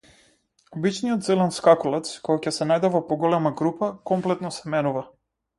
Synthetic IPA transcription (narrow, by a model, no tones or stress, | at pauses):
ɔbit͡ʃnijɔt̪zɛlɛnskakulˠɛt̪skɔjacɛsɛnajd̪ɛvɔpɔɡɔlɛmaɡɾupakɔmplɛt̪nɔsɛmɛnuva